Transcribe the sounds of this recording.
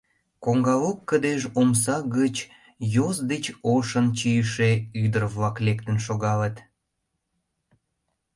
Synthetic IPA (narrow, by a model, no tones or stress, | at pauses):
koŋɡɑlokːəd̪eʒoms̬ɑɣət͡ɕ | jozd̪et͡ɕoʃənt͡ɕijəʃeyd̪ərβlɑklekt̪ənʃoɣɑlət̪